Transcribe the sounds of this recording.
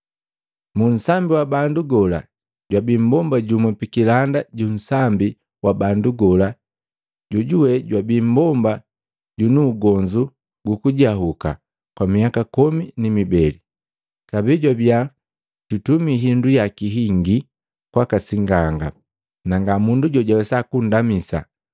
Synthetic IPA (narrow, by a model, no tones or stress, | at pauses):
mun̩sambiwabanduɡɔla̰ | ɟwabimbɔmbaɟumɛpikilandaɟun̩sambi | wabanduɡɔla | ɟuɟuwɛɟwabim̩bɔmba | ɟunuːɡɔɲd͡ʒu | ɡukuɟaɦuka̰ | kwamiakakɔminimibɛli | kabiɟwabja | tutumiɦindujakiɦiŋɡi | kwakasiŋɡaŋɡa | naŋɡamunduɟɔɟawɛsakun̩damisa̰